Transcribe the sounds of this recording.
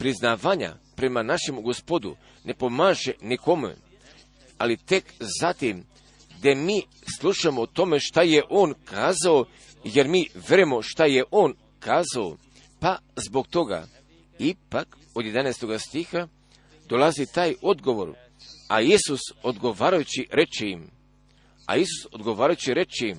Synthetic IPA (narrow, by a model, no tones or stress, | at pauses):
pɾiznaːʋaːɲa̰pɾe̞manaʃe̞muɡospo̞d̪ṵ | ne̞pomaːʒeniko̞mṵ | alit̪e̞kzat̪im | d̪emiː | slˠuʃamot̪o̞me̞ʃt̪ajeʔo̞ːnkʰaːzao | jeɾmiːʋeɾemo̞ʃt̪ajeʔoːn | kʰaːzao | pazbo̞k̚t̪o̞ɡa̰ | ipak | o̞d̪je̞d̪anaːst̪o̞ɡast̪ixa | d̪o̞lazit̪aːjo̞d̪ɡo̞ʋo̞̰ɾ | a̰jisuso̞d̪ɡo̞ʋaːɾajut͡ɕiɾe̞t͡ʃejim | a̰jisu̥so̞d̪ɡo̞ʋaːɾajut͡ɕiɾe̞t͡ʃejim